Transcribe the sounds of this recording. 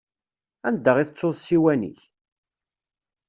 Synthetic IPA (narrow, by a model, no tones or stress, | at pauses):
ænd̪ːəʁiθt͡sˤːoðˤsiwænḭç